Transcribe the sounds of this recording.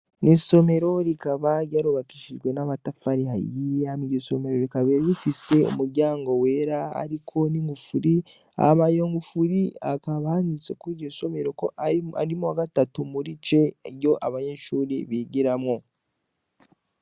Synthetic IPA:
niso̞me̞ɾo̞ɾikaβaɾjaɾuβakiʃiʒɡwe̞naβatafaɾiha̰jiamiɟoso̞me̞ɾoɾikaβeɾβifise̞ṵmuɾɟaːŋɡo̞weɾaa̰ɾikʰo̞niŋɡufuɾi | a̰βajoŋɡufuɾia̰kaβahanisekwiɟoso̞me̞ɾo̞koʔaa̰ɾimoaɡatatumuɾit͡ʃe̞ɾjo̞ʔaβaɲeʃuːɾiβiɟiɾamŋo̞

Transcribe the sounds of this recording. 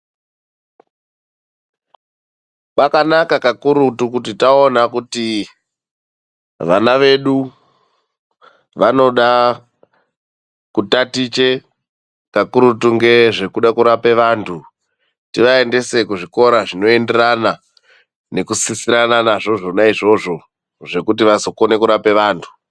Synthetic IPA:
pakanakakakuɾutukutitaonakuti | ʋanaʋe̞ɗu | ʋano̞ɗa | kutatit͡ʃe̞ | kakuɾutuŋɡe̞ʐe̞kuɗakuɾape̞ʋaːntʰu | tiʋae̞nde̞se̞kuʐiko̞ɾaʐino̞e̞nderana | ne̞kusisiɾananaʐo̞ʐo̞naiʐo̞ʐo̞ | ʐe̞kut̬iʋaso̞ko̞ne̞kuɾape̞ʋaːntʰu̥

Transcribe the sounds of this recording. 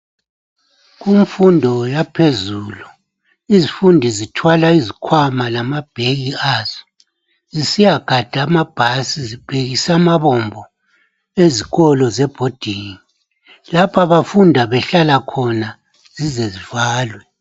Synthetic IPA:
ɣumfundʱɔjapʰezuːlu | izifundʱizitʰwalaizikʰwamalamab̥ʱeɣiaːz̥ɔ | zisijaɡ̥ʱad̥ʱaːmab̥ʱasizib̥ʱeɣisamaβɔmbʱɔ | eziɣɔlɔzɛb̥ʱod̥ʱini | lapʰaβafundʱaβɛɬalakʰɔna | z̥izɛzivaːlwɛ

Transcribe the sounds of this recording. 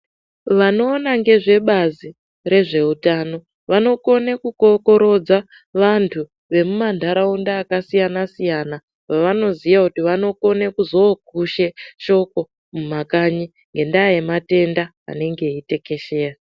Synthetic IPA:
ʋano̞ːnaŋɡe̞ʐe̞ɓazi | re̞ʐe̞utaːno̞ | ʋano̞ko̞nekuko̞ko̞ɾo̞d͡za | ʋantʰu | ʋe̞mumandʱaɾaundaːkasijanasijana | paʋano̞zijakutiʋano̞ko̞nekuzo̞ɡʱuʃeʃo̞ko̞ | mumakaɲi | ŋɡe̞ndaːjemate̞nda | a̰ne̞ŋɡe̞ite̞ke̞ʃeːra

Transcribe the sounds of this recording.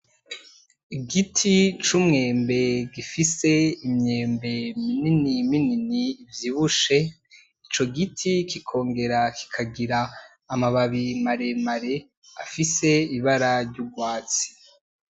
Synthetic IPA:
iɡitʰit͡ʃumŋe̞ːmbe̞ɡifise̞imɲeːmbe̞mininimininiːvjiβuʃe̞ | it͡ʃo̞ɡitʰikikʰo̞ːŋɡe̞ɾakʰi̥kʰaɡiɾaː | maβaβimaɾe̞maɾe̞ | afise̞iβaɾaɾɟuɡwaːt͡si̥

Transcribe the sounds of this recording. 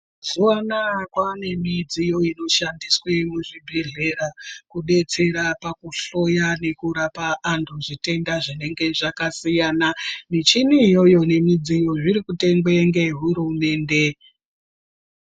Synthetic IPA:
z̥owanakwane̞mid͡zijo̞ino̞ʃandiswemuʐibʱeɮe̞rakuɗe̞t͡se̞ɾapakuɬo̞jane̞kuɾapaʔːntʰuʐite̞ndaʐine̞ŋɡe̞ʐakasijananit͡ʃiniːjo̞jo̞ne̞mid͡zijo̞ʐiɾikute̞ŋɡweŋɡe̞ɦuɾume̞ːnde̞

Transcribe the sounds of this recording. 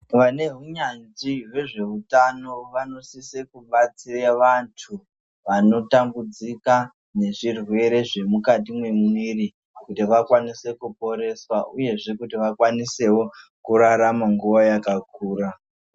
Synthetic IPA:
ʋane̞ɦuɲand͡ziwe̞ʐe̞ɦutano̞ʋano̞sisekuɓat͡sireʋantʰu | ʋano̞tambud͡zika | ne̞ʐirwe̞ɾe̞ʐe̞mukat̬imwe̞muiri | kutiʋakwanise̞kupo̞ɾe̞swaʔuje̞ʐe̞kutiʋakwanise̞wo̞kuɾaɾamaŋɡuʋajakak̚uːra

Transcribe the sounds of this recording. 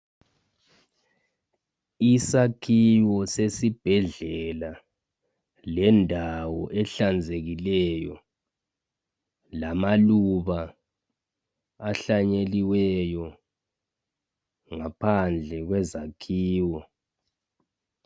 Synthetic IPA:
isakʰiwɔsesib̥ʱɛɮɛla | lɛndʱawɔʔɛɬand͡zʱeɣilɛjɔ̰ | lamaluβa | ɬaɲeliwɛjɔ | ŋapʰand͡ɮʱɛɣwɛzakʰiːwɔ

